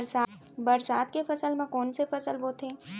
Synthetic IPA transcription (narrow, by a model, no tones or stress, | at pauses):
ɾsa | bɐɾsaːt̪kefɐsəlmẽkɔːnsefɐsəlʋot̪ʰẽː